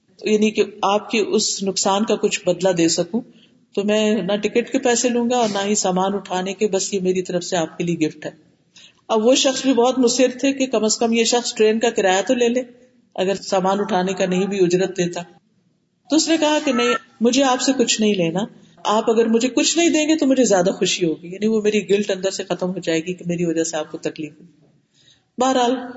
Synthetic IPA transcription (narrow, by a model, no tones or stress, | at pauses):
jaːnikeaːp̚kiʔʊsnʊksaːnkakʊt͡ʃʰbɐd̪lad̪eːsɐkũ | t̪omɛ̃ːnaʈɪkəʈkepɛːselũːŋɡaɔːɾnaɦisaːmaːnʊʈʰaːnekebɐsjemeːɾit̪ɐɾəfseaːp̚kelieɡɪfʈɦɛː | ɐbʋoʃɐxsbʱibɔːt̪mʊsɪɾt̪ʰekekɐməskɐmjeʃɐxsʈɾeːnkakɪɾaːjat̪oleːleː | ɐ̰ɡəɾsaːmaːnʊʈʰaːnekanɐɦĩbʱiʊd͡ʒɾət̪̚d̪eːt̪aː | t̪oʊsnekɐɦakenɐɦĩ | mʊd͡ʒʱeaːpsekʊt͡ʃʰnɐɦĩleːna | aːpɐɡəɾmʊd͡ʒʱekʊt͡ʃʰnɐɦĩd̪ẽːŋɡet̪omʊd͡ʒʱezjaːd̪axʊʃiɦoːɡijaːniʋomeːɾiɡɪlʈɐ̃nd̪əɾsexɐt̪əmɦod͡ʒaːeːɡikemeːɾiʋɐd͡ʒaseaːp̚kot̪ɐkliːfɦoː | baːəɾɦaːl